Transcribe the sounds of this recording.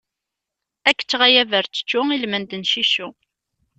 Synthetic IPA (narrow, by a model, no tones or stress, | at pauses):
ækːə̥t͡sːʁajævəɾt͡sːə̥t͡ʃːʊilmənd̪ənʃiʃu